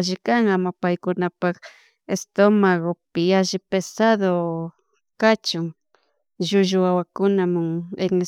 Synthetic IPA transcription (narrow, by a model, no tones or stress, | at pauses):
ʒɪkaŋamapajkʊnapak | est̪omaɣopɪaʒɪpesaðo | kat͡ʃʊŋ | ʒʊʒʊawakʊnamʊŋeŋe